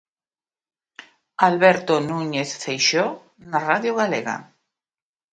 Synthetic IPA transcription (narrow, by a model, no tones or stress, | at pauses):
alβɛɾt̪onuɲeθfejʃo | naraðjoɣaleɣa̰